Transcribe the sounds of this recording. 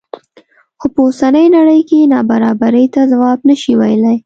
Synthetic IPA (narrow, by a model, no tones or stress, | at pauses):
xopəosanəjnaɽəjkenɑbaɾɑbaɾəjt̪azawɑbnəʃiwajlaj